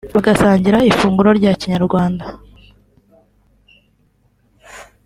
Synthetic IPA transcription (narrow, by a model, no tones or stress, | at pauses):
βaɡasaːɲɟiɾaifuːŋɡuɾo̞ɾɟaciɲaɾɡwaːnda